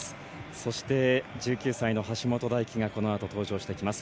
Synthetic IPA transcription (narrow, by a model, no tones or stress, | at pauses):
so̞ɕi̥t̪e̞d͡ʑɨːkʲɨːsaino̞ɦaɕimo̞t̪o̞d̪aikʲiŋako̞no̞at̪o̞t̪o̞ːʑo̞ːɕi̥t̪e̞kʲimasɨ̥